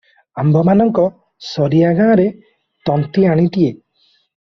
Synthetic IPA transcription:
ambʱɔmanɔŋkɔ | sɔɾiaɡãːɾe | t̪ɔnt̪iaɽ̃it̪ie

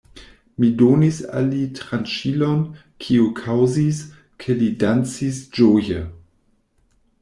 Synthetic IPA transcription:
midonisa̰litɾanʃilon | kʰiukʰawzis | kʰelidant͡sisd͡ʒojə

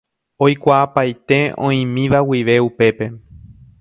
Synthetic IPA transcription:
o̞jkʷaʔːpajt̪e̞õĩmĩʋawiʋe̞upe̞pe̞

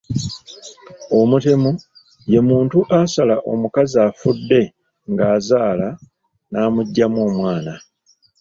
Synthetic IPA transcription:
o̞mute̞mu | je̞muːntuʔasalaʔo̞̰mukaziaːfudːe̞ | ŋɡaːzaːla | naːmuɟːamoːmwaːna

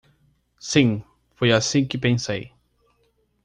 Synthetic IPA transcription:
sĩ | fojasĩkɪpẽsej

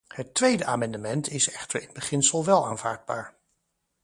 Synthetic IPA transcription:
hətʋejdəʔaːmɛndəmɛntɪsɛχtəɹɪnbəχɪnsəlˠʋɛlˠaːnvaːɹd̚baːɹ

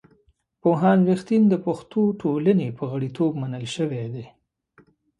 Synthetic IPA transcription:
poɦɑnwext̪ind̪əpaxt̪oʈʰolənepəɣəɽit̪ʰobmanəlʃəwed̪e

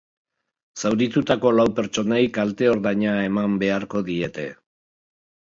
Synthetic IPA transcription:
sawɾit̪ut̪ako̞lawpe̞ɾt͡ʃo̞najkalt̪e̞o̞ɾðaɲae̞mambe̞aɾko̞ðie̞t̪e̞̰

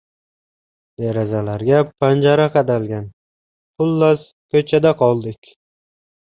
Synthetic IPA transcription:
d̪̥eɾazalaɾɡʲapʰand͡ʒaɾaqɑd̪alɡʲan | pʰʊlːazkʰɵt͡ʃʰad̪aqʰɒlˠd̪ɪkʲ

